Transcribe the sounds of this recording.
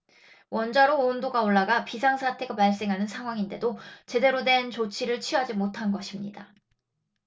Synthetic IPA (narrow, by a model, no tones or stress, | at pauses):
wʌnd͡ʑaɾoːndoɡaoɭːaɡapisʰaŋsʰatʰe̞ɡapaɭs͈e̞ŋɦanɯnsʰaŋɦwaŋinde̞dot͡ɕe̞de̞ɾodwe̞nt͡ɕot͡ɕʰiɾɯɭt͡ɕʰiɦad͡ʑimotʰanɡʌɕʰimɲḭda